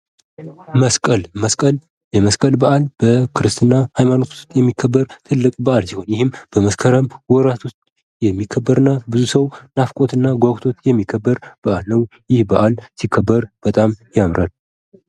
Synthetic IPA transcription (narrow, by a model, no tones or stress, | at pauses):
məskʼəlməskʼəl | jɛməskʼəlbəʔalb̥əkʰɨɾɨst̪ʰɨnːahajmano̞t̪ʰt̪jɛmːikʰːəbːəɾt̪ʰɨlːɨkʼbəʔalsiho̞njɪhɨmb̥əməskʰəɾəmwɔɾat̪ʰost̪ʼ | jɛmːikʰːəbːəɾɨnːabɨzusəwnafkʼo̞t̪ɨnːaɡʷaɡt̪ʰo̞t̪jɛmːikʰːəbːəɾb̥əʔalnəwjɪhbəʔalsikʰːəbːəɾb̥ət̪ʼamjamɾʔal